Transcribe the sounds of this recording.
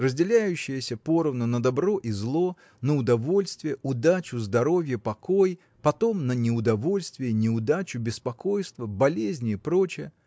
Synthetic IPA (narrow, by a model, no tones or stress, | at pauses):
rəzʲdʲɪlʲæjʉɕːɪjəsʲəpo̞ɾəvnənəd̪ɐbɾo̞ʔizlˠo̞ | nəʊd̪ɐvo̞lʲst̪vʲɪjəʔʊd̪at͡ɕʊzd̪ɐɾo̞vʲjəpɐko̞j | pɐt̪o̞mnənʲɪʊd̪ɐvo̞lʲst̪vʲɪjənʲɪʊd̪at͡ɕʊbʲɪspɐko̞jst̪vəbɐlʲezʲnʲɪːpɾo̞t͡ɕɪjə